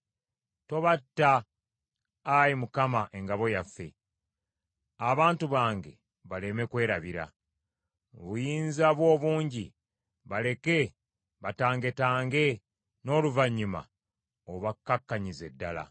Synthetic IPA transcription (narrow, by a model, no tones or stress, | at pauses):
to̞βatːa | jimukamaʔe̞ŋɡaβo̞jafːe̞̰ | aβaːntuβaːŋɡe̞̰ | βale̞me̞kwe̞ːɾaβiɾa̰ | oβujiːnzaβwo̞ːβuːɲɟi | βale̞ke̞ | βataːŋɡe̞taːŋɡe̞ | no̞ːluvaɲːima̰ | oβakːakːaɲize̞dːala̰